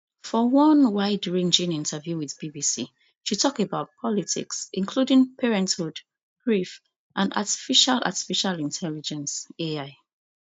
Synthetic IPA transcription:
fɔwʌ̃nwaɪdɹĩnd͡ʒĩnĩntʰəvjuwiðbibisḭ | ʃitʰɔkebaʊt̚pʰɔlitʰḭksḭ̃nkʰludĩŋpʰɛɹɛ̃nthud | ɡ̥ɹif | ʔãna̰ti̥fiʃala̰ti̥fiʃalĩntʰɛlid͡ʒɛ̃nseaɪ

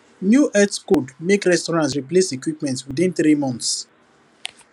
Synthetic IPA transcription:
njuʔɛtskodmekɾɛstɔɹãnt̬ɹiplesekwipmɛ̃ntwidĩnθɾimɔ̃nθs

